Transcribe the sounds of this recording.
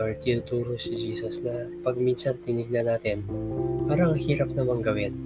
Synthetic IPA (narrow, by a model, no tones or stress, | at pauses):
ɐɹt̪iʊt̪uːɾosɪd͡ʒiːsɐsnɐpɐɡ̚minsɐnt̪ɪnɪɡ̚nanaːt̪ɪnpaːɾɐɐŋhiːɾɐp̚nɐmɐŋɡɐwɪn